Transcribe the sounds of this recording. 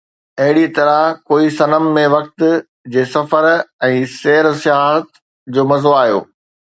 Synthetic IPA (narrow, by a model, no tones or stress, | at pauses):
ɐɦɪɽit̪ɐɾəɦkoːisɐnəmːẽʋɐk̚t̪ | d͡ʑeːsɐfəɾɛ̃ːseːɾsɪjaːɦət̪ | d͡ʑoːmɐzoaːɦijo̰ː